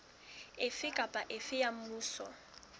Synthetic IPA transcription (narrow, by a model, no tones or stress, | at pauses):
ɪfɪkʼapʼaʔɪfɪjam̩muːsɔ̰